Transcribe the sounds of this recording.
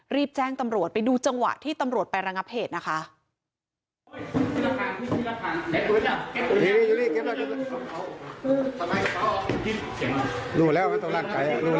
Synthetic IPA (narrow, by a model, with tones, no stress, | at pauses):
ɾiː˥˩p̚t͡ɕɛː˥˩ŋt̪a˧mɾu˨˩ət̪̚pa˧jduː˧t͡ɕa˧ŋwa̰˨˩ʔt̪ʰiː˥˩t̪a˧mɾu˨˩ət̪̚pa˧jɾa˧ŋa˦˥p̚heː˨˩t̪̚na˦˥kʰa˦˥ʔ | i˥˩la˧˥kʰaː˨˦nti˥˩tʰi˥la˧˥kʰaː˨˦n˨e˦˥u˧˥a˨˩˦juː˧˦liː˥˩juː˧˦liː˥˩ke˦˥p̚la˧˥˩e˦˥˧ɯ˧t̪ʰa˧ma˧jkɔː˥˩˨kʰi˧˥˩sʰi˨˩˦ŋa˧˩duː˧˩lɛː˦˥˩wma˧nt̪a˧˦laː˧˩ŋka˧jʔa˨˩duː˧˩